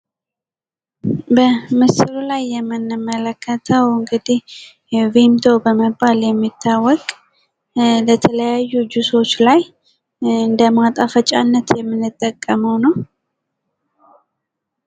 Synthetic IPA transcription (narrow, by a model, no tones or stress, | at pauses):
bəmɨsɨlulajːɛmːɨnːɨmːələkʰːət̪ʰəwɨŋɡɨd̪ih | vimd̪ʰo̞bəməbːaljɛmːit̪ʰːawːɔkʼ | lət̪ʰələjajːud͡ʒuso̞t͡ʃːlaj | ɨnd̪əmat̪ʼafət͡ʃʼa̰nːət̪jɛmːɨnːɨt̪ʼːəkʼːəməwnəw